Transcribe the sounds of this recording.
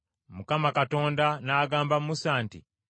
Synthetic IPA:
mukamakato̞ːndanaːɡaːmbammusaːntḭ

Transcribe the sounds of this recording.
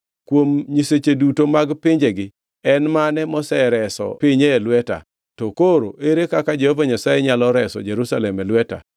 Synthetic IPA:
kwomɲiset͡ʃedutomaɡpɪɲd͡ʒeɡɪ | ɛnmanɛmɔsɛɾɛsɔ̰pɪɲeːlwɛta̰ | tɔkoɾo̰ʔeɾekakad͡ʒehovaɲasajeɲalɔɾɛsɔ̰d͡ʒeɾusalɛmɛlwɛta̰

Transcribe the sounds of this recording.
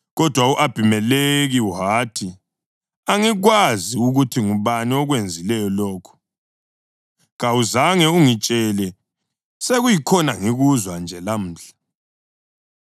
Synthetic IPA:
ɣɔd̥ʱwauʔab̥ʱimɛleɣiuɦaːtʰi | aŋiɣwaziuɣutʰiŋuβaniɔɣwend͡zʱilɛjɔlɔːkʰu̥ | ɣawuzaŋɛuŋit͡ʃʼɛlɛ | seɣujikʰɔnaŋiɣuzwand͡ʒʱɛlam̩ːɬḁ

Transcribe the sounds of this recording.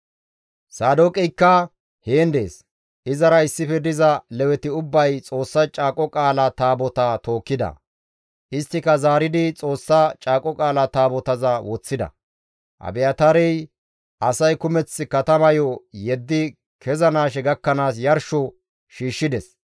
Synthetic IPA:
saːd̪okʼɪjkːɐ | heːnd̪e̞ːs | ʔɪzɐɾɐɪsːɪfɛd̪ɪzɐlɛwɛt̪ɪʊbːɐjt͡sʼo̞ːsːɐt͡ʃʼaːkʼɔkʼaːlat̪aːbɔt̪ɐt̪o̞ːkːɪd̪ɐ̰ | ʔɪst̪ːɪkɐzaːɾɪd̪ɪt͡sʼo̞ːsːɐt͡ʃʼaːkʼɔkʼaːlɐt̪aːbɔt̪ɐzɐwɔt͡sːɪd̪ɐ̰ | ʔɐ̰bɛjɐt̪ɐɾɛj | ʔɐsɐjkʊmɛt͡sːɪkɐt̪ɐmɐjɔjɛd̪ːɪ | kʰɛzɐnaːʃ̬ɛɡɐkːɐnaːsjɐɾʃɔ | ʃiːʃːɪd̪ɛs

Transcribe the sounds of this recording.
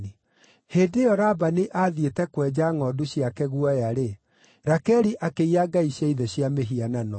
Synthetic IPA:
i | heːdejɔɾabaneʔaðjetɛkwɛd͡ʑaŋɔduɕjakɛɣuɔjaɾe | ɾakɛɾiʔakeiaɡaiɕjaiðɛɕjameɦiananɔ

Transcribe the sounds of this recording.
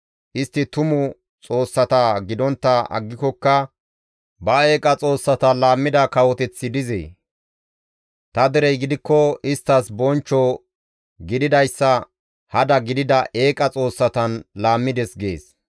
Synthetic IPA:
ʔɪst̪ːɪt̪ʊmʊ | t͡sʼo̞ːsːɐt̪aɡɪd̪ɔnt̪ːɐʔɐ̰ɡːɪkɔkːɐ | bɐe̞ːkʼɐt͡sʼo̞ːsːɐt̪ɐlaːmːɪd̪ɐkɐwɔt̪ɛt͡sːɪd̪ɪzḛː | t̪ɐd̪ɛɾɛjɡɪd̪ɪkːɔɪst̪ːɐsbɔnt͡ʃːɔ | ɡɪd̪ɪd̪ɐjsːɐ | hɐd̪ɐɡɪd̪ɪd̪ɐʔe̞ːkʼɐt͡sʼo̞ːsːɐt̪ɐnlaːmːɪd̪ɛsɡḛːs

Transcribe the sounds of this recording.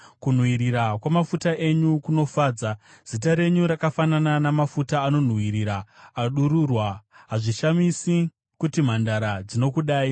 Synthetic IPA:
kun̤wiɾiɾakwamafutaʔe̞ɲukuno̞faːd͡za | z̥it̬aɾe̞ɲuɾakafanananamafutaːno̞n̤wiɾiɾaːɗuɾurwaɦaʐiʃamisi | kutim̤andaɾad͡zino̞kuɗaːi

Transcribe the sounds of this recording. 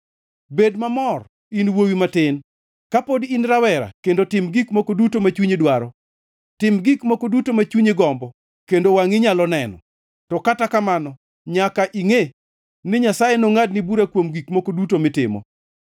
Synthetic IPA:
bedmamɔr | inwowimatɪn | kapodinɾawɛɾa̰kendotɪmɡikmokodutomat͡ʃuɲedwaɾɔ | tɪmɡikmokodutomat͡ʃuɲeɡɔmbɔ | kendowaŋɪɲalɔnɛnɔ̰ | tɔkatakamanɔ | ɲakaʔiŋe | nɪɲasajenoŋad̚nɪbuɾakwomɡikmokodutomɪtɪ̰mɔ̰

